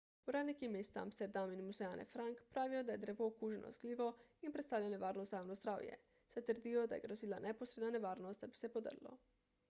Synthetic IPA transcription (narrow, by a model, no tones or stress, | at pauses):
uɾaːd̪nikimeːst̪aa̰mst̪ɛɾd̪aminmuzɛjaːnʔɛ̰fɾaŋkpɾaːʋijɔd̪ajɛd̪ɾɛʋoːkuːʒɛnʔɔ̰zɡliːʋɔinpɾɛt̪st̪aːwlʲjajnɛʋaːɾnɔst̪zajawnozd̪ɾa̰ːwjɛ̰ | sɛt̪əɾd̪ijɔd̪ajɛ̰ɡɾoziːlanɛposɾeːd̪nanɛʋaːɾnɔst̪d̪abisɛpod̪ə̰ɾlɔ̰